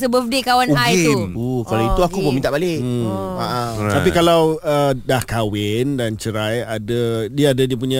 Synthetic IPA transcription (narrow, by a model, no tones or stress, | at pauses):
səbəfdikawanuɡajt̪uukalait̪uakubəmint̪aʔbalɪaʔat̪apikalawədahkawɪndant͡ʃəɾajadadiəːdadiəp̬uɲã